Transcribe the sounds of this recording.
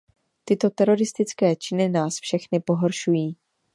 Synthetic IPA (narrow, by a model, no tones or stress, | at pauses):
t̪ɪt̪o̞t̪ɛɾo̞ɾɪst̪ɪt͡skɛːt͡ʃɪnɪnaːsfʃɛxnɪpo̞ɦo̞ɾʃujiː